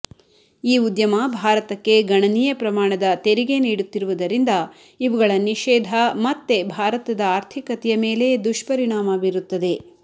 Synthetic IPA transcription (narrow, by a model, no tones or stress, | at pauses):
iːud̪jɐmɐbʱaːɾɐt̪ɐkːe̞ɡɐɳɐniːjɐpɾɐmaːɳɐd̪ɐt̪e̞ɾiɡe̞niːɽut̪ːiɾuʋud̪ɐɾind̪ɐ | iʋɐɡɐɭɐniʃɛːd̪ʱɐmɐt̪ːe̞bʱaːɾɐt̪ɐd̪ɐaːɾt̪ʰikɐt̪ɛjɐme̞ːle̞d̪uʂpɐɾiɳaːmɐbiɾut̪ːɐd̪e̞